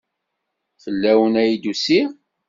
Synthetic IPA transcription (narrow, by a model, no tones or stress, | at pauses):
θəlːæwənæjid̪usi